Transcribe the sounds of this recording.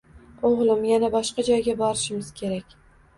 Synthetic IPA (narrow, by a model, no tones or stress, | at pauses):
oʁlˠɪmjanabɒʃqɑd͡ʒɒjɡʲabɒɾɪʃɪmɪz̥kʲʰe̞ɾakʲ